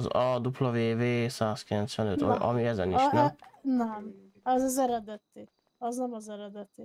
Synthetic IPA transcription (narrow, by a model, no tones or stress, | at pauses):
zɒd̪uplɒveːveːsaːskilɛnt̪sʋɛnøt̪ʔɒ̰miɛzɛniʃnɛnɛm | ɛzɒzɛɾɛd̪ɛt̪i | ɒznɛmɔzɛɾɛd̪ɛt̪i